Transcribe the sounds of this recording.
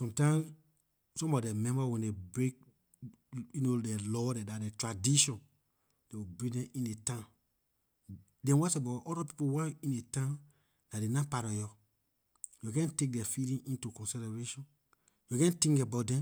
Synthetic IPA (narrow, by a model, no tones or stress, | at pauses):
sɔ̃mtãɪ̃m | sɔ̃mbɔdɛmɛ̃mbawɛ̃ndebɹek̚ | junodɛlɔdɛdadɛtɹadiʃɔ̃n | d̥ewibɹĩdɛ̃mĩndetã | dɛ̃nwasabatɔdapi̥powakĩndetã | nadenãpaɾɔjɔ | juɡɛ̃ntek̚dɛfilĩŋĩntukɔ̃nsilaɹeʃɔ̃n | juɡɛ̃ntĩŋkabaʊt̚dɛ̃m